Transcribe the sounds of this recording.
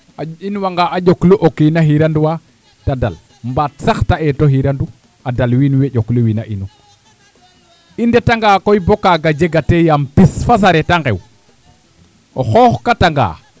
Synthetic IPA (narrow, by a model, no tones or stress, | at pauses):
ainwaŋɡaʔaɟokluʔokinaɦiɾanduwa | tada̰l | mbatsaxtaɛtoɦiɾandu | adalwinweɟokluwinaʔinu | indetaŋɡaːkojbokaɡad͡ʒeɡatejampisfas̬aɾetaŋɡḛw | oxoxkataŋɡa̰ː